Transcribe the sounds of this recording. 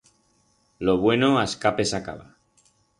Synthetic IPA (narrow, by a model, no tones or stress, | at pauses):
loβ̞we̞noaskape̞saka̰βa̰